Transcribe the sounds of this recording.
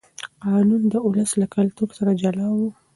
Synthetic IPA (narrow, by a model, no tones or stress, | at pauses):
qɑnund̪əʊləslakalt̪uɾsaɾad͡ʒalɑwu